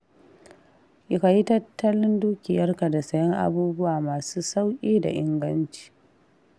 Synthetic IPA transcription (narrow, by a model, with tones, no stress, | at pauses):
ʔɪ˦ka˨ji˦tɐ˦tʰːɐ˦lɪ˦nduː˦kʲɪ˨jɐ˦rka˨da˨sɐ˦jɐ˦ŋʔa̰˦buː˦bʊ˦waː˨maː˨suː˦sa˦wkʲʼiː˦da̰˨ʔɪ˦ŋɡɐ˦nt͡ʃi̥ː˨